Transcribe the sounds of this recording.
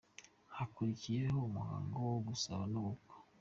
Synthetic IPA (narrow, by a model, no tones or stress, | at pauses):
hakuɾikije̞houmuha̰ːŋɡowoɡusaβanuuko̥